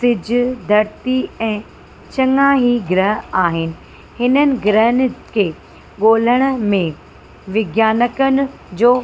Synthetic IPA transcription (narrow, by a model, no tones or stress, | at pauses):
sɪd͡ʑʱʊd̪ʱɐɾt̪iɛ̃ː | t͡ɕɐŋaːɦiɡɪɾəɦaːɦɪnɪ̆ | hɪnənɪ̆ɡɾəɦənɪ̆kʰeː | ɠoːl̤əɽ̃ə̆mẽ | ʋɪɡjaːnəkənɪ̆ | d͡ʑoː